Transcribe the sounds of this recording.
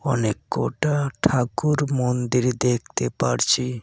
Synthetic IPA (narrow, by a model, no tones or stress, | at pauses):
ɔnekːo̰ʈaʈʰakuɾmond̪iɾd̪ek̚ʰt̪epaɾt͡ɕʰi